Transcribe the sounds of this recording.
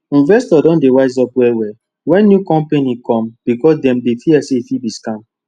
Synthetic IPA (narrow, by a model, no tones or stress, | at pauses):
ĩnvɛstɔdɔ̃ndewaɪz̬ɔpwɛwɛ | wɛ̃nːjukɔ̃mpenikɔ̃mb̥ikɔsdɛ̃mdefiɛseifibiskãm